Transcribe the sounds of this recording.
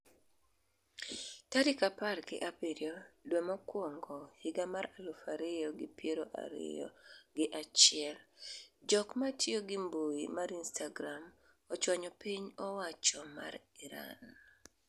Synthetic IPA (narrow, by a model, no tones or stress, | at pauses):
tadɪkaparɡɪ̰ʔapiɾjodwɛmɔkwɔŋɡɔhɪɡamaɾalofaɾɪjɔɡɪpjeɾoʔa̰ɾɪ̰jɔ̰ɡɪʔat͡ʃɪɛld͡ʒɔkmatjoɡɪmboimaɾinstaɡɾam | ɔt͡ʃwaɲɔpiɲɔwat͡ʃɔma̰riɾa̰n